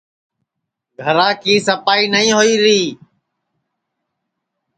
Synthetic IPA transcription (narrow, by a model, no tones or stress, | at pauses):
ɡʱəɾãːkiːsəpaːiːnəĩːɦoiːɾiː